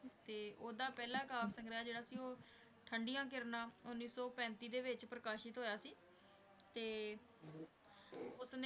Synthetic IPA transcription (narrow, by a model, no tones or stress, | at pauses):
t̪eːʔoːd̪aːpɛːlaːkaːksəŋɡɾaːd͡ʒeːɽaːsiːoː | ʈʰəɳɖijãːk̬ɪɾnaːʊnːiːsɔːpɛ̃ːnt̪iːd̪eːʋɪt͡ʃpɾəkaːʃɪt̪ɦoːjaːsiː | t̪eː | ʊsne